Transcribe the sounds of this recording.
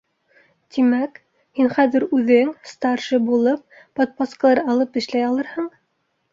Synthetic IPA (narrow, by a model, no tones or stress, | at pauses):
t̪imæk | hinχæðɘ̆ɾʉðɘŋst̪ɑɾʃɤbulˠɤp̚ːot̪̚poskəlˠɑɾɑlˠɤpɘ̆ʃlæjɑlˠɤɾhɤɴ